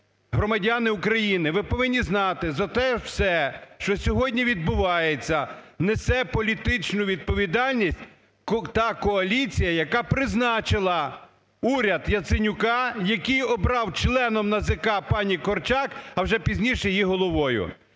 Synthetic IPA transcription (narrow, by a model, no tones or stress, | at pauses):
ɦɾɔmɐdʲanɪʊkɾɐjinɪʋɪpɔʋɪnʲːiznɑt̪ɪzɐt̪ɛwsɛʃt͡ʃɔsʲɔɦɔdʲnʲiʋʲid̪̚bʊʋɑjet͡sʲːɐ | nesɛpɔlʲit̪ɪt͡ʃnʊʋʲid̪̚pɔʋʲid̪ɑlʲnʲisʲtʲ | t̪ɑkɔɐlʲit͡sʲijɐjɐkɑpɾɪznɑt͡ʃɪlˠɐ | uɾʲɐd̪jɐt̪sɪnʲʊkɑjɐkijɔbɾɑwt͡ʃlˠɛnɔmnɐzɪkɑpɑnʲikɔrt͡ʃɑkɐwʒɛpʲizʲnʲiʃɛjiɦɔlˠɔʋɔjʊ̰